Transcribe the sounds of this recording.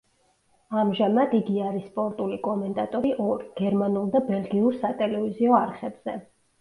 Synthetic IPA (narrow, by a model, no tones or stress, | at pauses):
amʒamad̪iɡiaɾispʼɔɾt̪ʼulikʼɔmɛnt̪ʼat̪ʼɔɾiʔɔɾiɡ̥ɛɾmanulˠd̪abɛlˠɡiuɾsat̪ʼɛlɛviziɔaɾχɛbz̥ɛ